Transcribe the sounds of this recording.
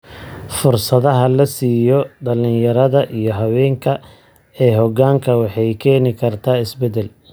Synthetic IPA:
fʊrsɐðɐɦɐlɐsiːjɔɖɐlɪjɐɾɐðɐʔijɔɦɐwɛːŋkʰɐ | ɛːɦɔɣaːŋkʰɐwɑħɑjkʰɛːnɪkʰɐrt̪ʰaːɪsbɛd̪ɛl

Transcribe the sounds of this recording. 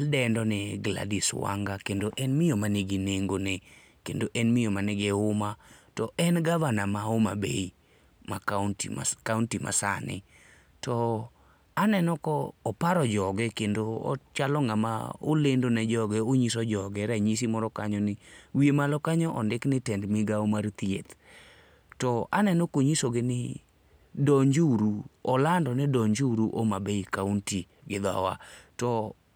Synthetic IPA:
aldɛndɔnɛɡla̰diswa̰ŋɡakendoʔɛnmɪjomaneɡineŋɡone | kendoʔɛnmɪjɔmanɪɡɛʊmatɔʔɛnɡavanamaoma̰bḛi | matkauntima̰sa̰nɪ̰ | tɔ | anɛnɔkɔːpaɾɔd͡ʒɔɡɛkendoɔ̰t͡ʃalɔŋama̰o̰lendonɛd͡ʒɔɡɛoɲisɔd͡ʒɔɡɛɾaɲis̬imɔɾɔka̰ɲɔnɪwiemalɔkaɲɔʔɔndɪknɪtɛndmiɡaomart̪iḛt̪ | tɔa̰nɛnɔkoɲisoɡenɪ̰ | dɔɲd͡ʒuɾuɔlandɔnɛdɔɲd͡ʒuɾuʔomabeikaunti | ɡɪd̪ɔa̰wa̰tɔ

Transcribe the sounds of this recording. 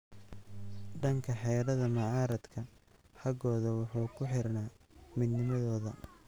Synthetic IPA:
ɖɐŋkʰɐħɛːɾɐðɐmɑʕɑːɾɐd̪kʰɐħɑɡɔːðɐwʊħuːkʰʊħɪrnaː | mɪd̪nɪmɐðɔːðɐ

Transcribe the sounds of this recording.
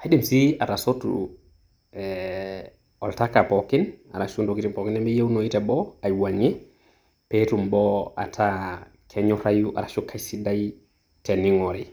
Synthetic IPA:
haɗimsiatasotṵ | ɛ | ɔltakapɔkina̰ɾaʃundoɡitimpɔkinɛmbɛjewnoitɛbɔajwaɲɛ | petumbɔa̰tʰa | kʰɛɲɔfajuʔa̰ɾaʃukʰajsidaj | teniŋɔɾɛ

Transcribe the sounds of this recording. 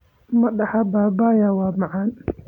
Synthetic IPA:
mɐɗaħabaːbaːjawaːmaʕan

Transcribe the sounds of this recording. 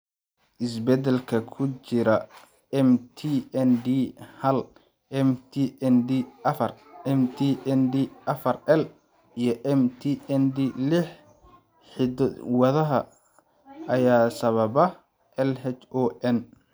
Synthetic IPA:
ʔɪsbɛd̪ɛlkʰɐkʰʊt͡ʃɪɾɐ | ɛmt̪ʰiɛnd̪ihɐl | ɛmt̪ʰiɛnd̪iɐfɐrɛmt̪ʰiːʔɛndiʔɐfɐrɛl | ijɞʔɛmt̪ʰiɛnd̪ilɪħ | ħɪd̪wɐðɐɦɐ | ʔɐjaːsɐβɐβɐ | ʔɛlɦɛt͡ʃɔːʔɛn

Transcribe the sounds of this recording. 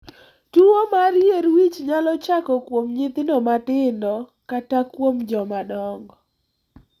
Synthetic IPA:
tuwomaɾjeɾwit͡ʃɲalɔt͡ʃakɔkwomɲɪt̪ɪnɔmatɪndɔ | katakwomd͡ʒɔmadɔŋɡɔ

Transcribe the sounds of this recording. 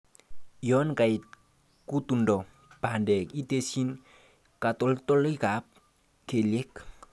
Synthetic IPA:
jɔnkajt̪̚ | kut̪undɔ | b̥ʱandekit̪esin | kat̪ɔlt̪ɔlijɡap̚ | kʰelek

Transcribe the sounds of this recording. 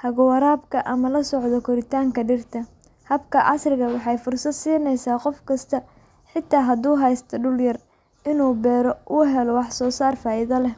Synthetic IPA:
hɐɣʊwɐɾaːbkʰɐʔɐmɐlɐsɔʕd̪ɔkʰʊɾɪt̪ʰaːŋkʰɐɖɪrt̪ʰɐ | hɐbkʰɐʕɑsrɪɣɐwɑħɑjfʊrsɐd̪siːnɛjsaːqɔfkʰɐst̪ʰɐ | ħɪt̪ʰːaːɦɐd̪uːɦɛjst̪ʰɐɖʊljɐr | ɪnuːbɛːɾɔʔʊɦɛlɔwɑħsɔːsaːrfaːɪðɐlɛ

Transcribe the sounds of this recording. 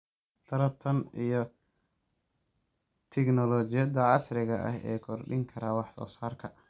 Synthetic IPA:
t̪ʰɐɾɐt̪ʰɐnijɔ | t̪ʰɛknɔlɔːt͡ʃɪjɐd̪ɐʕɑsɾɪɣɐʔɐ̰ɦɛ̰ːkʰɔrɖɪŋkʰɐɾaːwɑħsɔ̰ːsaːrkʰɐ

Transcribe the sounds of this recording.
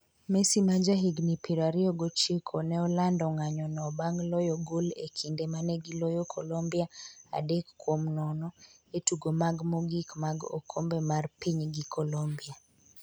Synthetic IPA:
mesimad͡ʒaɦiɡnipiɾaɾiɔɡot͡ʃikʰonɛɔlandɔŋaɲɔnɔbaŋlɔjɔɡolekʰindemanɛɡilojɔkʰɔlɔmbiaa̰dekːwomnɔnɔetuɡomaɡmoɡikmaɡɔ̰kʰombɛmarpiɲɡikʰɔlombia

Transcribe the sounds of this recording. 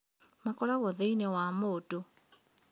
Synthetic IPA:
makɔlaɣɔðeinɛwamoto

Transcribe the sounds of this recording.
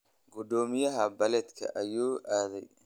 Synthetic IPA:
ɡʊd̪ɔːmɪjɐɦɐbɐlɛd̪kʰɐ̰ʔɐjuːʔaːðɛj

